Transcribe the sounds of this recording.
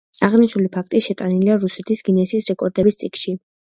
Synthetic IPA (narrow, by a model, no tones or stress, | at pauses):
aʁniʃnulipʰakʰt̪ʼiʃɛt̪ʼaniliaɾusɛt̪ʰisɡinɛsiːsɾɛkʼɔɾd̪ɛbist̪sʼikʃi